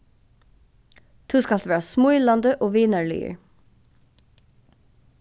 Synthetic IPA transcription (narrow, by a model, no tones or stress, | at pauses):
t̪ʰʉːskɑlt̪ʋæːɹasmʊʏlɑnd̪əʔoːʋiːnæɹlḭːə̰ɹ